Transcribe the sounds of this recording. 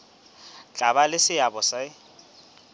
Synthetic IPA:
t͡ɬʼaβalɪsɪabɔsa

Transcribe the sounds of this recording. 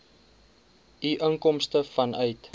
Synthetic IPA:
iʔəŋkɔmstəfɐnœɥt

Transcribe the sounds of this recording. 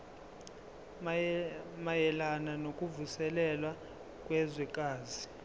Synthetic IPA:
majɛlananokʼuvusɛlɛlwa | kʼwɛzwɛkʼaːzi

